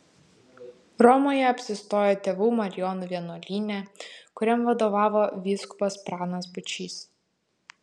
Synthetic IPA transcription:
ɾɔmoːjɛɐpʲsʲɪst̪oːjoːt̪ʲeːʋuːmɐɾʲɪjɔnʊʋʲiɛnuːlʲiːnʲɛkʊɾʲɛmʋɐd̪oːʋɑːʋoːʋʲiːskʊbɐspɾɑːnɐsbʊt͡ʃʲiːs

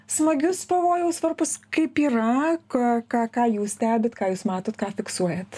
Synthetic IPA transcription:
smɐɡʲʊspɐʋoːjɛʊsʋɐrpʊskɐɪpiːrɐkokɑːkɑːjuːssʲt̪ʲæːbʲet̪kɑːjuːsmɑːt̪oːt̪kɑːfʲɪksuɔjɛt̪

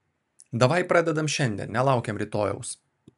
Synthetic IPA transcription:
d̪ɐʋɐɪpɾɑːd̪ʲɛd̪ɐmʃʲɛnʲd̪ʲḭnʲnʲɛlˠɑˑʊkʲɛmɾʲɪt̪oːjɛ̰ʊs

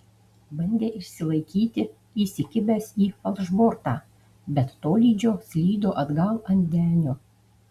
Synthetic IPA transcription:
bɐnʲd̪ʲeːʔɪʃʲsʲɪlˠɐɪkʲiːt̪ʲɪ | iːsʲɪkʲɪbʲɛsiːɐlˠʒboːɾt̪ɑː | bʲɛt̪ːoːlʲiːd͡ʒʲoːsʲlʲiːd̪oːʔɐd̪ɡɐlˠɐnʲd̪ʲæːnʲoː

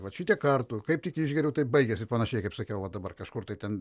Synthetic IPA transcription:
ʋɐʃʲit̪ʲikɐrt̪ʊkɐɪptʲɪkiʒʲɡʲɛɾʲɛʊt̪ɐɪbɐɪɡʲɛsʲɪpɐnɐʃʲɛɪkɐɪpsɐkʲɛʊʋɐt̚d̪ɐbɐrkɐʃkʊrt̪ɐɪtʲɛn

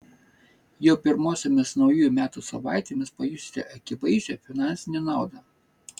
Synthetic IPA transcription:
joːpʲɪɾmoːsʲɛmʲɪsnɒʊjuːjʊmʲæːt̪usɐʋɑˑɪt̪ʲeːmʲɪspɐjusʲt̪ʲɛ̰ʔɐkʲɪʋɐɪʒʲɛfʲɪnɑˑnʲsʲɪnʲɛnɑˑʊd̪ɑ

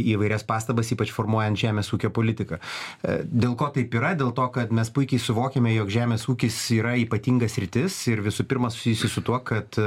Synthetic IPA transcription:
iːʋɐɪɾʲɛspɑːst̪ɐbɐsiːpɐt͡ʃfoːrmuɔjɛnt̪ʒʲæːmʲeːsuːkʲoːpoːlʲɪt̪ʲɪkɐ | d̪ʲeːlˠkoːt̪ɐɪpiːɾɐd̪ʲeːlˠt̪oːkɐt̪mʲɛspʊɪkʲɛɪsʊʋoːkʲemʲɛjoːkʒʲæːmʲeːsuːkʲɪsiːɾɐiːpɐt̪ʲiːŋɡɐssʲɾʲɪt̪ʲɪsɪɾʋʲɪsʊpʲɪrmɐsʊ̥sʲijʊsʲɪsʊt̪uɔkɐt̪

